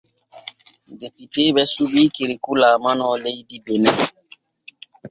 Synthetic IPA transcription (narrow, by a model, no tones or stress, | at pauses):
depitebɛsubikeɾikulaːmanɔlejdibenɛ